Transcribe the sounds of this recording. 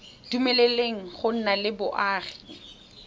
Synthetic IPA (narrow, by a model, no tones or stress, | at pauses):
d̥umɛleleŋ̩χʊn̩nalɪbʊʔaːχi̥